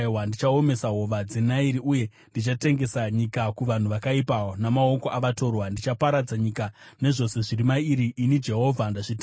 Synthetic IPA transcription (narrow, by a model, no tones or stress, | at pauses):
wandit͡ʃao̞me̞saɦo̞ʋad͡zinaiɾiʔuje̞ | ndit͡ʃate̞ŋɡe̞saɲikakuʋan̤uʋakaipaonamao̞koʔaʋato̞rwandit͡ʃapaɾad͡zaɲika | ne̞ʐo̞se̞ʐirimaiɾiʔːnid͡ʒe̞ɦo̞ːvʱandaʐitː